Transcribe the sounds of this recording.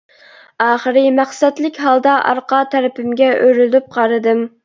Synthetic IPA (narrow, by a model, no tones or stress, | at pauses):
ɑːχəɾɨmæχsɛd̪lɪkʲɦɑlˠd̪ɑʔɑ̰ɾqɑt̪ʰæɾɪpʰɪmɡʲɛʔøɾyld̪yp̚qʰɑɾɨd̪ɨm